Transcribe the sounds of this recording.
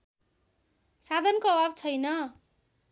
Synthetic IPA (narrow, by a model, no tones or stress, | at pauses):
sad̪ʱʌnkoʌbabt͡sʰʌjnʌ